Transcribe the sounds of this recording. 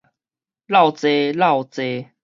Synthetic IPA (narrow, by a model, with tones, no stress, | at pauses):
la˥˨wt͡se˦la˥˨ʊt͡se˧˦